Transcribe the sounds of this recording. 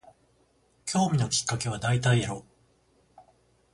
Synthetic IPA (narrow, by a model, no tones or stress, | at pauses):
kʲʰo̞ːmʲino̞kʲi̥kːake̞β̞ad̪ait̪aiaɾo̞